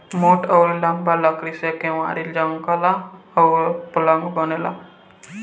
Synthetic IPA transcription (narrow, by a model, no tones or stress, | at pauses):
moʈəwɾlaŋbalakɾisekɛwa̰ɾild͡ʒɔŋkalaɔwplɔŋɡbɔnɛla̰